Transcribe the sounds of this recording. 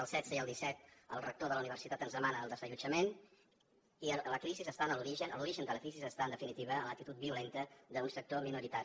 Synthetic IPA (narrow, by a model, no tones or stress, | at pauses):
əlˠsɛd̪səiəlˠd̪isɛt̪ə̰lˠrək̚t̪oðələuniβərsit̪at̪ənzðəmanəːlˠd̪əzəʎud͡ʒəmen | iələkɾizizəst̪anəluɾiʒənəluɾiʒənd̪ələkɾizizəst̪aənd̪əfinit̪iβ̞əːnlək̚t̪it̪ut̪̚biulent̪əðəunsək̚t̪ominuɾit̪aɾi